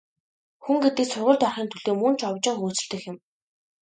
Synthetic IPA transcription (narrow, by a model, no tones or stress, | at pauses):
xuŋɡet̪ĭːksʊrʁʊ̆ːɮt̪ɔrχiːnt̪ʰɵɮ̥eːmun̥t͡ɕʰɔwt͡ɕɪ̆ŋxuːt͡sɘ̆ɬt̪ɘ̆xɪ̆m